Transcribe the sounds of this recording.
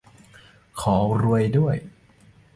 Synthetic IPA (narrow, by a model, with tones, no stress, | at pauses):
kʰɔː˩˦ɾu˧əjdu˥˩əj